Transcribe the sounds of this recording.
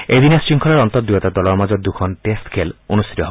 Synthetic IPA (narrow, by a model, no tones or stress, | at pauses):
ejd̪inest͡ʃiŋkʰɔlaɾɔnt̪ɔd̪uɔt̪ad̪ɔlɔɾmad͡ʒɔd̪ukʰɔnʈesʈkʰelonust̪ʰit̪ɔɦb